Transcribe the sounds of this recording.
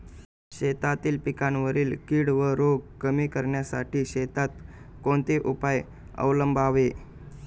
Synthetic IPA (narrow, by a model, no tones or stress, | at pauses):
ɕet̪at̪iːlpikanʋəɾiːlkiːɽʋəɾoɡkːəmiːkəɾɳjasa̰ʈiːɕet̪at̪ | koɳt̪eʔupaj | ə̰wləmbʱaʋe